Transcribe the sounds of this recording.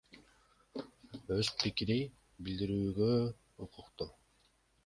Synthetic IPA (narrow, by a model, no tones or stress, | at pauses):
øspʰikiɾij | bilʲd̪iɾyːɡø | uqʰʊqt̪o